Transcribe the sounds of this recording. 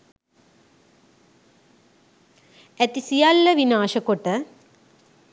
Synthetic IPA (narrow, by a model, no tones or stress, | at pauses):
æt̪isijalːəʋinaːʃəkoʈə